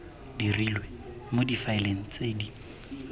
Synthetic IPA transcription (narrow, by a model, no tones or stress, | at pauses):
dirilwe | modifaɪleŋ̩t͡seːdi